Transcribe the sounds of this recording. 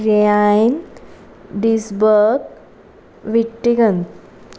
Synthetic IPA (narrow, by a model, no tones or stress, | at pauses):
ɾiajn | ɖisbəɡ | ʋiʈːiɡən